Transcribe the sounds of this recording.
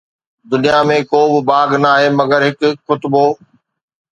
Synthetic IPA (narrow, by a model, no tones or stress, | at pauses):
d̪ʊnijamẽkoːbɪbaːɡnaːɦeːmɐɡəɾɦɪkxʊt̪boː